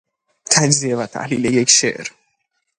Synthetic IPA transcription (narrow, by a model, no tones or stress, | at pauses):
t̪ʰæd͡ʒzievæt̪ʰæ̰hliːlejekʰʃḛʔɾ